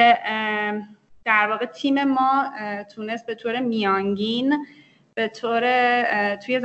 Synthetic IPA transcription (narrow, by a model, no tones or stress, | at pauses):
e | d̪̥æɾvɒːɣe̞t̪ʰiːme̞mɒːt̪ʰuːne̞st̪̚be̞t̪ʰoːɾe̞mijɒːŋɟin | b̥e̞t̪ʰoːɾe̞t̪ʰuːje̞z